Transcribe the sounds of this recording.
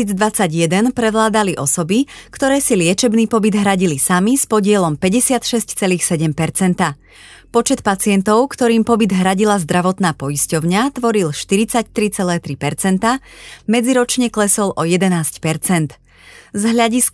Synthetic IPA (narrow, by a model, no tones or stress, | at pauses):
iːd͡zd̪ʋat͡saɟjɛd̪ɛnpɾɛʋlaːd̪aliʔɔsɔbikt̪ɔɾɛːsilɪɛt͡ʃɛbniːpɔbid̪ɦɾaɟilisamispɔɟɪɛlɔmpɛɟɛsɪat̪ʃɛsct͡sɛliːxsɛɟɛmpɛɾt͡sɛnt̪a | pɔt͡ʃɛt̪pat͡sɪɛnt̪ɔʊkt̪ɔɾiːmpɔbid̪ɦɾaɟilazd̪ɾaʋɔt̪naːpɔjiscɔʊɲat̪ʋɔɾilʃt̪iɾit͡sact̪ɾit͡sɛlɛːt̪ɾipɛɾt͡sɛnt̪amɛd͡ziɾɔt͡ʃɲɛklɛsɔlʔɔjɛd̪ɛnaːscpɛɾt͡sɛnt̪ | zɦʎaɟis